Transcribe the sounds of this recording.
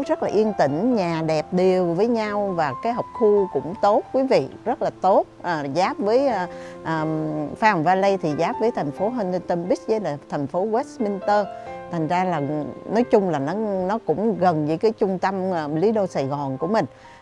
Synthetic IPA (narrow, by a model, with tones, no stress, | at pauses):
zə˦˥t̚laː˨˩ʔi˧ənt̪ï˧˩˨ŋ̟ɲaː˨˩ɗɛ˨˩p̚ɗi˨˩əwvəː˨˦jɲa˧wvaː˨˩kaː˨˦jɦɔ˨˩wk͡p̚xu˧kʊ̰˧˥ŋ͡mt̪o˦˥t̚kwi˨˦vḭ˧˨zə˦˥t̚laː˨˩t̪o˦˥t̚ʔəː˨˩zaː˨˦˥p̚vəː˨˦jːʔəː˨˩faː˧˦hŋ͡mvaː˧lə˧t̪ʰi˨˩zaː˨˦˥p̚vəː˨˦jt̪ʰa˨˩jŋ̟fo˨˦ɦə˧nə˧nt̪ə˧mɓi˦˥zəː˨˦laː˨˩t̪ʰɛ˨˩jŋ̟fo˨˦ɣwɛ˦˥smi˧nt̪əː˧t̪ʰa˨˩ŋ̟zaː˧laː˨˩nɔ˨˦jt͡ɕʊ˧ŋ͡mlaː˨˩nɔ˨˦nɔ˨˦kʊ̰˧˥ŋ͡mɣə˨˩nvɨ̰˧˥˦kaː˨˦jt͡ɕʊ˧ŋ͡mt̪ə˧mː˨˩li˨˦ɗo˧saː˧˩jɣɔ˨˩nku˧˩əmï˨˩ŋ̟